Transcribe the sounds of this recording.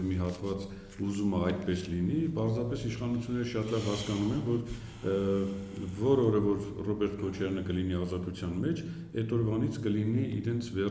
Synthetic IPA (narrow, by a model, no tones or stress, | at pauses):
vmiɦɑt̪vɑt͡s | uzuməɑjt̪pɛslinipɑɾzɑpɛsiʃχɑnut͡sʰjunːɛɾəʃɑt̪lɑvhɑskɑnumɛnvɔɾ | vɔɾɔɾəvɔɾrɔbɛɾt̪̚ʰkʰɔt͡ʃʰɑɾjɑnəkəliniɑzɑt̪ut͡sʰjɑnmɛt͡ʃʰ | ɛt̪ɔɾvɑnit͡sʰkəliniʔḭɾɛnt͡sʰvɛ